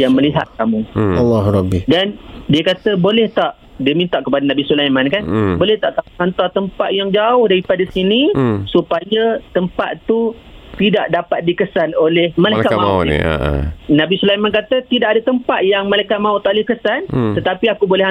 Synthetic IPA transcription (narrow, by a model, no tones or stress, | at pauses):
jaŋməliɦa̰t̪̚kamũɑlːɑɦɾɔbidandiakat̪əbolɛht̪aʔ | diəmint̪aʔkəpadanabisulajmãnkanbolɛht̪aʔkauhant̪art̪əmpaʔ̪̚jaŋd͡ʒaʊhdaɾipadasinisupajat̪əmpa̰t̪t̪u | t̪idaʔdapat̪̚dikəsanolɛhmalajkaʔama̰ | nãbisulajmãnk̬at̪ət̪idaʔadat̪əmpat̪̚jaŋmalajkaʔ̚mãut̪aʔolɪhkəsant̪ət̪apiakubolɛɦa